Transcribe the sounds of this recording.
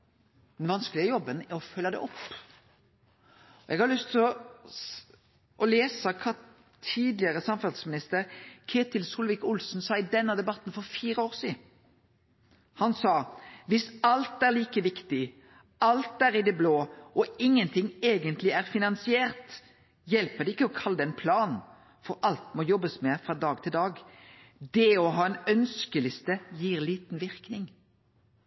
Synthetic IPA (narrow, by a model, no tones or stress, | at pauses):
d̪ɛnʋɑnsklɪɡəjɔbːənɔfœlːɑd̪ɛ̰ʔɔpː | ɔʔɛɡhɑɾlʏst̪ʰɪlɔ | ʔɔleːsɑkʰɑː | t̪ʰiːd̪lɪəɾəsɑmfɑlsmɪnɪst̪əɾkʰeːt̪ɪlsuːlʋɪkʊlsn̩sɑːɪd̪ɛnːɑd̪ɛbɑt̪ːn̩fɔɾfiːɾəoːɾsiː | hɑnsɑːʋɪsɑlt̪æʁliːkəʋɪkt̪ɪ | ɑlt̪æɾɪd̪ɛbloːʔɔɪŋːənt̪ʰɪŋeːɡənt̪lɪæɾfɪnɑnsɪeːʁt̪ | jɛlpəd̪ɛɪkːəɔkʰɑlːd̪ɛnpʰlɑːn | fɔɾʔɑlt̪mɔjɔbːəsmɛfʁɑd̪ɑːɡt̪ʰɪld̪ɑːɡ | d̪ɛɔɦɑːɛnœnskəlɪst̪əjiːɾliːt̪n̩ʋɪʁknɪŋ